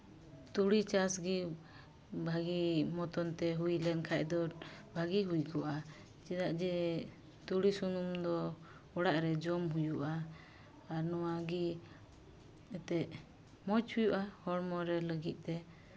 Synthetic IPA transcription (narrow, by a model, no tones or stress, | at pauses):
t̪uɽit͡ʃasɡi | bʱaɡimɔt̪ɔnt̪ɛɦujlɛnkʰaʔd̪ɔɾbʱaɡiɦujkɔʔa | t͡ʃid̪aʔd͡ʒɛ | t̪uɽisunumd̪ɔ | ɔɽaʔɾɛd͡ʒɔmɦujuʔaː | ɾnɔwaɡi | ɛt̪ɛʔ | mɔt͡ʃhujuʔahɔɽmɔɾɛləɡit̪̚ˀt̪ɛ